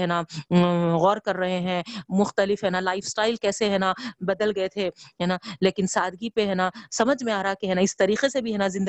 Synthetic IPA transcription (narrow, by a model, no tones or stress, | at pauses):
ɦɛːna | ɣɔːɾkɐɾːɐɦeɦɛ̃ːmʊxt̪əlɪfɦɛːnalaːɪfsʈaːɪlkɛːseɦɛːnabɐd̪əlɡɐet̪ʰeɦɛːnaleːkɪnsaːd̪ʱɡipeɦɛːnasɐməd͡ʒʱmẽaːɾɐɦakeɦɛːnaɪst̪ɐɾiːqesebʱiɦɛːnazɪ̃nd̪